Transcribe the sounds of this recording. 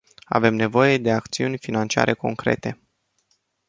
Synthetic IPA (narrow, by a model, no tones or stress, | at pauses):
a̰ve̞mne̞vo̞je̞d̪e̞akt̪siunʲfinant͡ʃia̰ɾʔe̞ko̞ŋkɾe̞̰t̪e̞